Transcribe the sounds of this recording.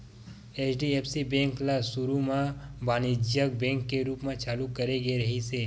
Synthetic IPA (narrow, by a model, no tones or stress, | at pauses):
eːt͡ʃɖieːpsibɛ̃ːŋklasuɾumãbaːnid͡ʒjək̚bɛ̃ːŋkːeɾuːpmẽt͡ʃaːlukːɐɾeɡeɾɐɦiseː